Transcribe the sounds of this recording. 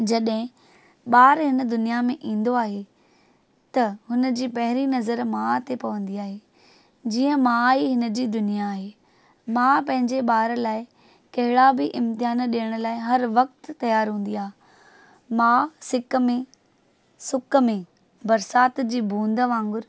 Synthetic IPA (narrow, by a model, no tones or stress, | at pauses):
d͡ʑɐɗɦɪ̃ | ɓaːɾɦɪnə̆d̪ʊnijamẽʔĩːn̆d̪oaːɦe | t̪ɐɦʊnəd͡ʑiːpɐɦɪɾinɐzəɾmãt̪ʰepɐʋə̃nd̪iaːɦe | d͡ʑiːə̃mãiɦɪnəd͡ʑiːd̪ʊnijaːɦe | mãpɐ̃ɦɪ̃ɲd͡ʑeɓaːɾlaːɪ | kɐɦɪɽabɪʔɪ̃mt̪ɪɦaːnɗiəɽ̃ʊ̆laːɪɦɐɾʋɐk̚t̪ːɐjaːɾɦũːn̆d̪iaːɦe | mãsɪk̆mẽ | sʊkmẽ | bɐɾsaːt̪d͡ʑiːbʱũːnd̪əʋãːŋɡʊɾ